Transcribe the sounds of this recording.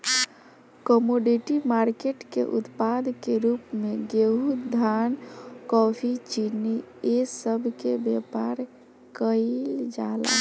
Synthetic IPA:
kɔmoɖiʈimaɾkeʈkḛʔut̪pad̪ʱkeɾupmeɡeɦud̪ʱankɔpʰit͡ʃiniesəbʱkebjepaɾ | kəɪld͡ʒala̰

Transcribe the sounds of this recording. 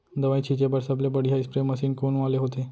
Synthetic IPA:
d̪əʋaĩt͡ʃʰid͡ʒebəɾsəblebəɽiɦajspɾeməsiːnkonʋaleɦot̪e

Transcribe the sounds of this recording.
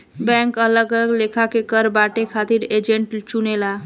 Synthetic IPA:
bɛ̃ŋkələɡələɡlekʰakekəɾbaʈekʰat̪iːɾed͡ʑeɳʈt͡ɕunela

